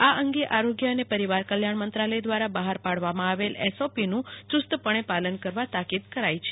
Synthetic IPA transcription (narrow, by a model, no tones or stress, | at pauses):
aʔəŋɡeʔaɾoɡjəənepəɾiʋaɾkəljaɳmənt̪ɾaləjd̪ʋaɾabaɦaɾpaɽʋamãaʋelɛsopinũt͡ʃʊst̪əpəɳ̃epalənkəɾʋat̪akid̪kəɾajt͡ʃʰe